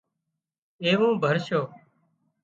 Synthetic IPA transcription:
eːʋõːbʱəɾʃoː

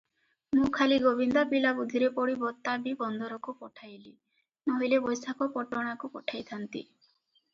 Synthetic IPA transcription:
mũkʰaliɡobʱind̪apilabud̪ʱiɾepɔɽibɔt̪ːabibɔnd̪ʱɔɾɔkupɔʈʰajli | nɔɦilebɔjsakɔpɔʈɔɽ̃akupɔʈʰajt̪ʰant̪ḭ

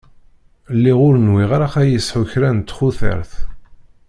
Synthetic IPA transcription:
lːiʁʊɾənwiʁaɾaχæjəsħʊçɾænt̪ːχʊθə̰ɾθ

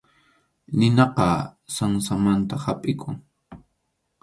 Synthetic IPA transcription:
nɪnɑqɑsaŋsamant̪ahapʼɪkʰʊŋ

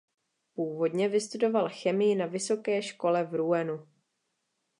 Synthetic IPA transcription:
puːvo̞dɲɛvɪst̪udo̞valxɛmɪjɪnavɪso̞kɛːʃko̞lɛvɾuɛnu

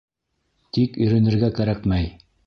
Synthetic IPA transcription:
t̪ikɵ̆jɾænɘ̆ɾɡækæɾækmæj

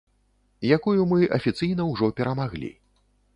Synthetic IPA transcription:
jakujumɨʔɐfʲit̪sɨjnɐwʐɔpʲɛɾɐmaɣlʲḭ

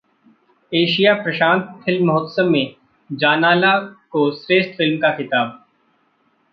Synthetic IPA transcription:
eːʃijapɾɐʃãːnt̪̚fʰɪlmːɐɦʊt̪səmːẽ | d͡ʒaːnaːlakosɾeːʃʈfɪlmkaxɪt̪aːb̚

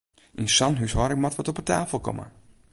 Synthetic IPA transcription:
ʔinsanɦyshɔɾɪk̚matʋɔtɔpətʰaːfəl̩ˠkɔ̰mə̰

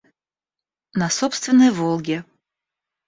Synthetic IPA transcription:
nɐsɔpst̪vʲɪnːɨjvolˠɡʲɛ

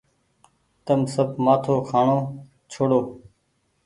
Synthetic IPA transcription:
t̪əmsəb̚ʱmaːt̪ʰoːkʰaːɳoː | t͡ʃʰoːɽoː

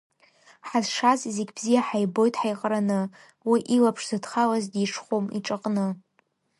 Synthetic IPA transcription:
ħazʂazizɪɡʲbzijaħajbo̞jtʰʼħajqʼranɨ | wiʔilapʰʂz̥ɨdχalazdiʂχomḭʈ͡ʂʼaqʼnɨ

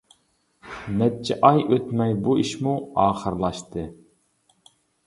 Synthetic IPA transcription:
nɛt̚t͡ʃʰɛʔɑjøt̪mɛjbuiʃmuɑːχəɾlˠɑʃt̪ɨ

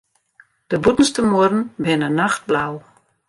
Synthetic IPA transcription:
d̥əbutən̩stəmuərn̩bɪnənaxt̚blaw

